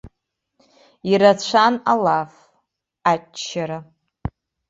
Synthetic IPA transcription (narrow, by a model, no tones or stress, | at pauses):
iɾat͡ɕʷʰanalaf | at͡ʃːaɾa